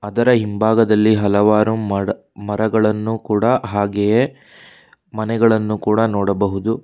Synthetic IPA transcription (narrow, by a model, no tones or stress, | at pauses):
ɐd̪ɐɾɐɦimbʱaːɡɐd̪ɐlːiɦɐlɐʋaːɾum | mɐɾɐɡɐɭɐnːukuːɽɐɦaːɡeje | mɐnɛɡɐɭɐnːukuːɽɐnoːɽɐbɐɦud̪u